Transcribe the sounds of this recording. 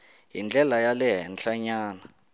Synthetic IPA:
ɦind͡ɮʱɛlajalɛɦɛnɬʰaɲaːna

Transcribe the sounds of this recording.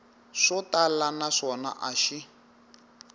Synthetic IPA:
ʂɔtalanaʂɔna̰ʔaʃi

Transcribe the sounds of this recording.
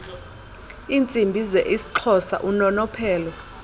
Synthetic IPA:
iːnt͡sʼimbʱizɛʔisi̥ǁʰɔsa̰ʔunɔnɔpʰɛːlɔ

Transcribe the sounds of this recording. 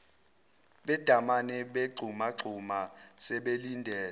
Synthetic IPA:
ɓɛd̥ʱamanɛɓeɡ͡ǀʱumaɡ͡ǀʱumasɛɓelindʱɛːl

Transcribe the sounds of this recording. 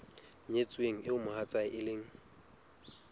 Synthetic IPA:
ɲet͡sʼweŋ̩ɪʊmʊhat͡sʼaɪʔɪleːŋ̩

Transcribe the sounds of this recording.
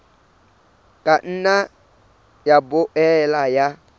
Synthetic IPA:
kʼan̩na | jabʊʔɛlaja

